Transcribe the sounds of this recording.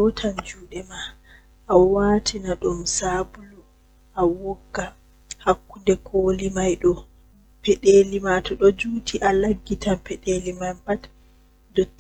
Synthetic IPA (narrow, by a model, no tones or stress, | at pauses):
ɔtʰand͡ʒuːɗɛma | ʔawaːtʰinaɗumsabulu | ʔawɔɡːa | hakːundɛkʰoːlimajɗɔ | pɛɗelimatɔɗɔd͡ʒuːtʰiʔalaɡːitampɛɗelimajmbat | dɔ